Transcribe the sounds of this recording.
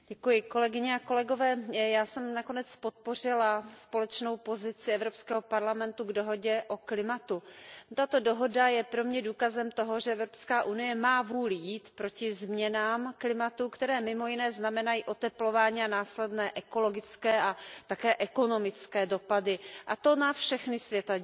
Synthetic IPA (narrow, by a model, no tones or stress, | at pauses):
ɟɛkujɪko̞lɛɡɪɲɛako̞lɛɡo̞vɛːjaːsɛmnako̞nɛt͡spo̞t̪̚po̞r̝ɪlaspo̞lɛt͡ʃno̞wpo̞zɪt͡sɪɛvɾopskɛːɦo̞paɾlamɛnt̪uɡdo̞ɦo̞ɟɛʔo̞klɪmat̪ut̪at̪o̞do̞ɦo̞dajɛpɾo̞mɲɛduːkazɛmt̪o̞ɦo̞ʒɛʔɛvɾopskaːʔunɪjɛmaːvuːljiːt̪pɾo̞cɪzmɲɛnaːmklɪmat̪ukt̪ɛɾɛːmɪmo̞jɪnɛːznamɛnajiːʔo̞t̪ɛplo̞vaːɲiːanaːslɛdnɛːʔɛko̞lo̞ɡɪt͡skɛːʔat̪akɛːʔɛko̞no̞mɪt͡skɛːdo̞padɪʔat̪o̞nafʃɛxnɪsvjɛt̪a